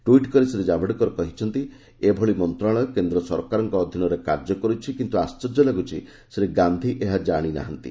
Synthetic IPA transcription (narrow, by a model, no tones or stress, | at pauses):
ʈuiʈkɔɾisɾed͡ʒabʱɔɽikɔɾɔkɔɦit͡ʃʰɔnt̪i | ebʱɔɭimɔnt̪ɾaɭ̃ɔkend̪ɾɔsɔɾkaɾɔŋkɔːd̪ʱjinɔɾekaɾd͡ʒɔkɔɾut͡ʃʰikint̪uast͡ʃɔɾd͡ʒɔnaɡut͡ʃʰi | sɾeɡand̪ʱiʔeɦad͡ʒaɽ̃ina̰ɦant̪ḭ